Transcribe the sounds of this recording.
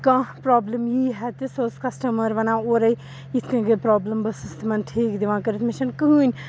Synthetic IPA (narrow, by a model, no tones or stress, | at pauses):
kãːpɾɔːbləmjiɦɛt̪isoskɐsʈɐmɐɾʋɐnãːoɾɐi | it̪ʰkɐ̃ɡepɾɔːbləmbɐsɨst̪ʰmɐnʈʰiːkd̪iʋãːkɐɾit̪ʰmiʃɐnkɐɦuːnʲ